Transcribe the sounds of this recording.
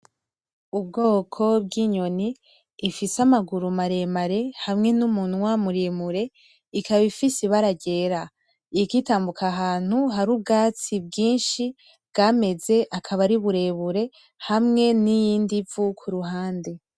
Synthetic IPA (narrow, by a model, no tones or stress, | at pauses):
ubɡo̞ːkʰo̞b̚ɡiɲo̞niː | fisamaɡuɾumaɾe̞maɾe̞hamŋe̞numuːn̥uwamuɾemuɾe̞ | ikaβifisiβaɾaɟe̞ɾa | ikitaːmbukʰaɦaːn̥huɦaɾub̚ɡaːt͡sib̚ɡiːnʃi | bɡaːme̞ze̞ʔakʰaβaɾiβuɾe̞βuɾe̞ | hamŋe̞nijiːndivukʰuɾuɦaːnde̞